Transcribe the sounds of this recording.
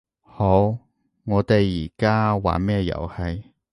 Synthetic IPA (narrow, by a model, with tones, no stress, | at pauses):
ho˨˥w | ŋɔː˨˧t̪e˨jːiː˨˩kaː˥wa̰ː˨mɛː˥˧jɐ̰˨˩whɐ˨j